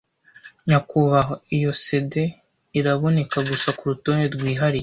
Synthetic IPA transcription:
ɲakuβaɦoijo̞sede̞ | iɾaβo̞ne̞kaɡusakuɾuto̞ːneɾɡwiːɦaɾi

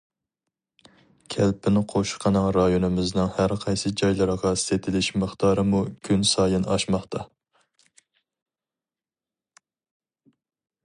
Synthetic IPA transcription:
kʲʰɛlpʰɪnqʰoʃqʰɑnɨŋɾɑjonɨmɪznɪŋhæɾqʰɑjsɨd͡ʒɑjlˠɨɾʁɑset̪ʰɪlɪʃməχt̪ʰɑːɾɨmukʲʰynsɑːjɨnɑ̰ʃmɑχt̪ʰɑ

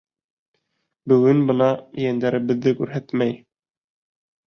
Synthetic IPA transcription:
bɵ̆ɡɵnbɤ̆nɑjænd̪æɾɘ̆βɘ̆ðːɘkʉɾɦæt̪mæj

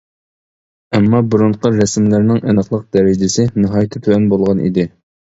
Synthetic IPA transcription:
ɛmːɑbuɾuɴqəɾɛsmlæɾnɪŋʔɛnəχlˠəq̚d̪ɛɾɪd͡ʒɪsɪnɨɦɑjit̪ʰːɪt̪ʰyɛnbolˠʁɑnʔḭd̪ɪ

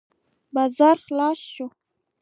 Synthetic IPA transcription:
bɑzɑɾxlɑsʃu

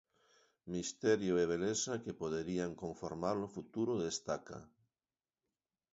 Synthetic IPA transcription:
mist̪eɾjoeβ̞elesakepoðeɾiaŋkoɱfoɾmaɾlofut̪uɾoðest̪aka̰

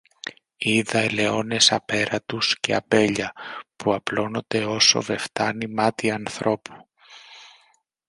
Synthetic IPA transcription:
iðɐele̞o̞ne̞sɐpe̞ɾɐt̪usce̞̰ɐ̰pe̞ʎɐpuɐplo̞no̞nd̪e̞o̞so̞̰ve̞ft̪ɐnimɐt̪iɐnθɾo̞pʰu̥

